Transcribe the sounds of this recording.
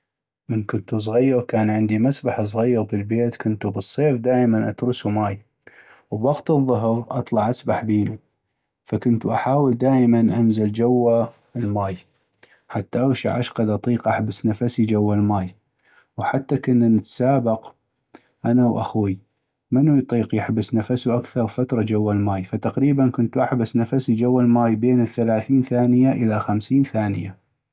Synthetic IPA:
mənkʊnt̪us̬ˤɣajːɑɾkaːnʕɪnd̪imasbaħs̬ˤɣajːɑɾbəlbeːt̪kʊnt̪ubɨsˤːeːfd̪aːʔmanʔa̰t̪ɾʊsumaːj | wbwɑɡt̪ɨðˤːʊɦɾʔɑ̰t̪ˤlɑʕʔasbaħbiːni | fakʊnt̪uʔaħaːwəld̪aːʔjmanʔanzald͡ʒawːa | lmaːj | ħat̪ːaʔawʃa̰ʕa̰ʃqɑd̪ʔɑt̪ˤiːqʔaħbɪsnafasid͡ʒawːalmaːj | wħat̪ːakʊnːnət̪saːbɪq | ʔanawʔa̰xwi | mɪnːujt̪ˤiːqjɪħbɪsnafasuʔakθɑɾˤfat̪ɾˤɑd͡ʒawːalmaːjfat̪aqɾiːbankʊnt̪ʔaħbasnafasid͡ʒawːalmaːjbeːnəθːalaːθiːnθaːnɪjaʔəlaxamsiːnθaːnɪja

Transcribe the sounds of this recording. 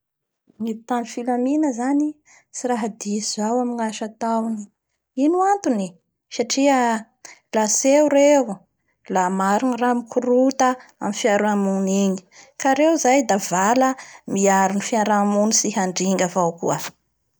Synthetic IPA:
mit̪anifilaminəzani | siɾaɦad̪izawamiŋaʃat̪awni | inuant̪uni | saʈ͡ʂiə | laseuɾew | lamaɾuniramikʰuɾut̪əamifiaɾuamuniɲi̥kaɾewzajd̪avaləmiaɾunifiaɾamunisihaɳɖ͡ʐiŋɡavawkuə

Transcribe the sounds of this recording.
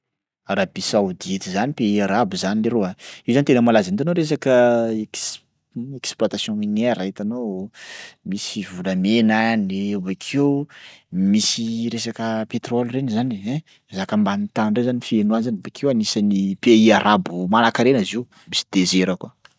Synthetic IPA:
rabisawd̪it̪izanipeiaɾabuzanileɾoaizant̪enəmalazint̪anoɾes̬akəek | eksplwat̪asjɔ̃mineɾait̪ano | misivulamenaneubakʰew | misiɾes̬akəpet̪rɔlʲrenizaniɛ̃ | zakəmbanit̪anɳɖ͡ʐezanifienuanzanubakʰewanisanipeiaɾʔabumanakaɾeniziu | misi̥d̪ezeɾəkwa

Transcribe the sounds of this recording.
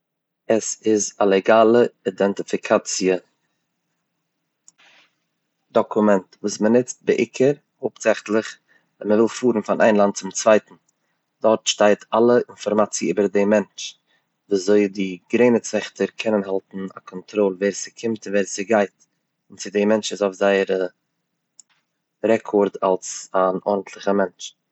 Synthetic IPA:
əsɪzalˠɛɡaːlˠəidɛntɪfɪkʰat͡siə | dɔkʰʊmɛntvuːsmənɪt͡st̚bɪʔɪkʰəɾ | hoːpz̥ɛχtlˠɪχ | vɛnməvɪlˠfuːɾn̩fanʔa̰ɪnlˠant̚t͡sɪmt͡sv̥aɪtn̩ | d̥ɔɾtʃtaɪtʰalˠəɪnfɔɾmat͡siəyːbəɾdɪmɛnt͡ʃ | vuːszoɪdɪɡɾeɪnət͡svɛχtəɾkʰɛnənɦalˠtn̩a̰kʰɔntɾɔlˠvɛːɾsɪkʰɪmtɪnvɛːɾsɪɡaɪt | ɪnt͡sɪdɪmɛnt͡ʃɪsoʊfzaɪəɾə | ɾɛkʰɔɾda̰lˠsanʔɔɾdn̩tʰlˠɪχəmɛnt͡ʃ

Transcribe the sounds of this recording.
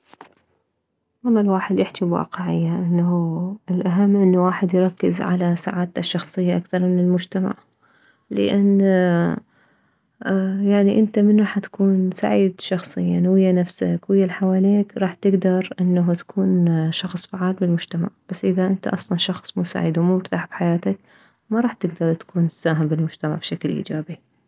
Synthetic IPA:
wɑlˤːɑːlwaːħɪd̪jɪħt̪ibwa̰ːqɪʕɪjːaʔɪnːaɦuɪlʔaɦamːʔɪnːawaːħɪd̪jɾˤɑkːɪzʕa̰lasa̰ʕaːd̪aʃːɑxsˤɨjːaʔakθɑɾˤmɪnɪlmʊd͡ʒt̪ama̰ʕ | lɪ̰ʔanː | jaʕniʔɪnt̪amɪnɾˤɑːħt̪ḁkuːnsa̰ʕiːd̪ʃɑxsˤɨjːanwɪjːanafsakwɪjːalħawaːleːkɾˤɑːħt̪ɪɡd̪ɑɾˤʔɪnːaɦut̪ḁkʰuːnʃɑxsˤfaʕaːlbɪlmʊd͡ʒt̪ama̰ʕb̥asːʔɪðaʔɪnt̪a̰ʔɑsˤlɑnʃɑxsˤmuːsa̰ːʕḭːd̪wmumɪɾt̪aːħbħajaːt̪ak | maɾˤɑːħt̪ɪɡd̪ɑɾˤt̪ḁkuːnsːaːɦɪmbɪlmʊd͡ʒt̪ama̰ʕbʃaklʔḭːd͡ʒaːbi

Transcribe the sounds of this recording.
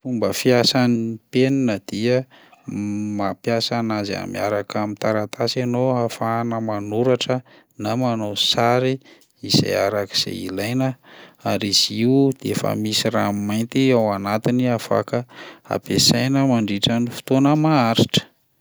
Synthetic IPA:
fumbəfiasaniipeninəd̪̥iə | mapjasanaza̰mḭa̰ɾakamit̪aɾat̪ʰasanoafanəmanuɾaʈ͡ʂə | namanosaɾi | iza̰jaɾaki̥z̥ḛilajnəaɾiz̥iud̪̥eefə̰misiɾa̰majnt̪iawanat̪iniafa̰kəa̰pesajnəmaɳɖ͡ʐiʈ͡ʂanifi̥t̪onəmaaɾiʈ͡ʂə̥

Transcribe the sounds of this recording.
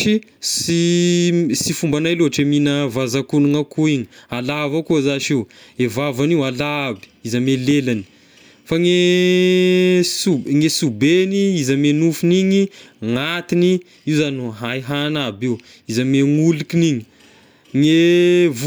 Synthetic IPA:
isi | sifumbanajloɦaʈ͡ʂeminəvazakunuŋakuiɲialavakuzaʃiwevavaniwalabi̥izəmelelani̥ | faŋe | suŋesubeniizəmenufuniɲiŋat̪ini | iwzanuɦajɦanabew | izəmeŋulikiniɲi̥ | ŋev

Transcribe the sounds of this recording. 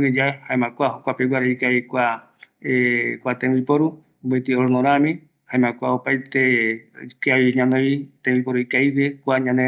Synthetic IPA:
d͡ʒaehaẽmãkʷahokʷapewʷaɾeikaikʷa | ekʷat̪ẽipoɾu | bet̪ioɾnõɾamĩ | haẽmãkʷaopajt̪e | kaiɲãneit̪ẽbipoɾuikajwekʷaɲãne

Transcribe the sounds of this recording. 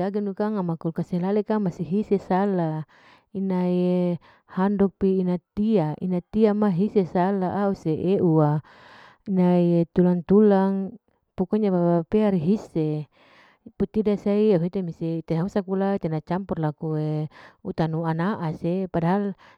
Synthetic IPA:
aɡinukaŋamakulkaselalekamasiɦisesala | inaje | handɔk̚piːnat̪iainat̪iamaɦisesalaʔauseʔeʔua | inajet̪ulaŋt̪ulaŋ | pukɔɲapapapeaɾiɦise | put̪ːidasaiauɦet̪emiseit̪enausakulait̪enat͡ʃampɔrlakueut̪anuanaʔasepadaɦal

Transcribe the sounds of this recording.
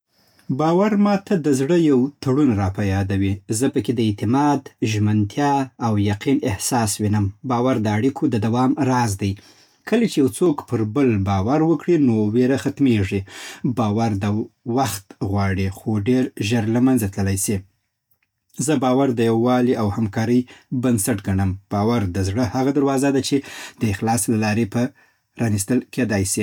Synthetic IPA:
bɑwaɾmɑt̪ad̪əzɽəjawt̪ʰaɽunɾɑpajɑd̪awizəpəked̪əɪt̪ɪmɑd̪ʒmənt̪ʰjɑawjaqinɪhsɑswinəmbɑwaɾd̪əaɽikʰod̪əd̪awɑmɾɑzd̪aj | kʰəlat͡ʃejawt͡sokpəɾbəlbɑwaɾwəkɽinoweɾaxat̪meʐibɑwaɾd̪awaxt̪ɣwɑɽixoɖeɾʒəɾlamanzat̪ləlajsi | zəbɑwaɾd̪əjawːɑliʔawhamkɑɾəjbənsaʈɡaɳəmb̥ɑwaɾd̪əzɽəhaɣad̪aɾwɑzad̪at͡ʃed̪̥əɪxlɑslalɑɾepə | ɾɑnist̪əlked̪ɑjsi

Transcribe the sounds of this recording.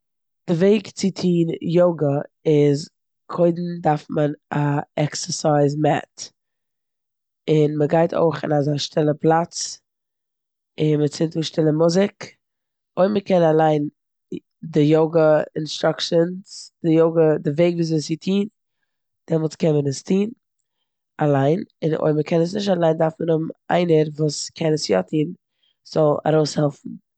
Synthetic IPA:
d̥ɪveɪkt͡sɪtʰiːnjoʊɡəɪz | kʰoɪdn̩daɾfmənaɛksəsaɪzmɛ̰t | ɪnməɡaɪtʰo̰ɪχɪ̰nazaʃtʰɪlˠəplˠat͡s | ɪnmət͡sɪntuːʃtɪlˠəmʊzɪk | oɪməkɛnalˠaɪn | dɪjoɡəɪnstɾakʃənsd̥ɪjoʊɡədɪveɪɡviːszɔsɪtʰiːn | d̥ɛmɔlˠtkɛnmənəstʰiːn | alˠaɪnɪnʔo̰ɪməkʰɛnəs̬nɪʃ̬talˠaɪndaɾfmənʊm̩ʔa̰ɪnəɾvuːskʰɛnəsjɔ̰tʰiːn | z̥ɔlˠa̰ɾoʊshɛlˠfn̩

